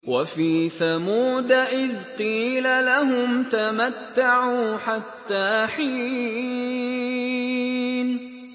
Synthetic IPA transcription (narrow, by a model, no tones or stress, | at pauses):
wafiːθamuːd̪aʔɪðqiːlalaɦʊmt̪amat̪ːaʕuːħat̪ːaːħiː | n